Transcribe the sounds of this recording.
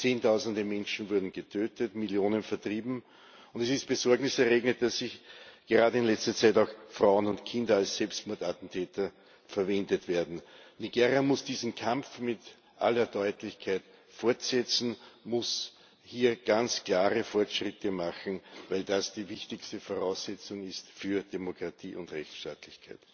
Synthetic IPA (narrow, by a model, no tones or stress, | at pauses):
t͡seːntʰɑʊzən̩dəmɛ̃nʃn̩vʊɐdn̩ɡ̥ətʰøːtətmɪljoːnənfɛɐtʁ̥iːbm̩ | ʊ̃ndɛsɪst̚b̥əzɔɐɡnɪsɛɐʁeːɡnət̚d̥asːɪçɡ̥əʁaːdəɪnlɛt͡stɐt͡sæɪtɑʊxfʁaʊənʊntkʰɪ̃ndɐalssɛlpstmɔɐtatn̩tʰɛːtɐ | fɛɐvɛ̃ndətv̥eːɐdn̩niɡeːʁjamʊsd̥iːzn̩kʰãmfmɪt | ʔa̰lɐdɔʏtlɪçkʰaɪt | fɔɐtsɛt͡sn̩mʊs | hiːɐɡ̥ant͡sklaːʁəfɔɐtʃʁɪtʰəmaxn̩væɪldasd̥iːvɪçtɪçstəfoʁɑʊsːɛt͡sʊŋɪstfyːɐd̥emokʁ̥atʰḭːʔʊndʁɛçt͡sʃta̰ːtlɪçkʰaɪt